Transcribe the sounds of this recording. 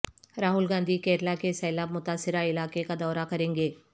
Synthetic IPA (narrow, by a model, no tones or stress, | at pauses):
ɾaːɦʊlɡãːnd̪ʱikɛːɾlakesɛːlaːbmʊt̪aːsːɪɾaɪlaːkekad̪ɔːɾakɐɾẽːŋɡeː